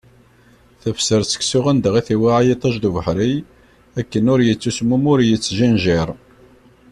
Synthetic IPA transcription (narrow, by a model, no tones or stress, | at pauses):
θəfsəɾt͡sːə̥ksʊʁænd̪əʁiθiwaʕajit̪ˤɑʒd̪uvəħɾij | ækːənʊɾjət͡sːusmːumʊɾjət͡sːʒænʒiɾˤ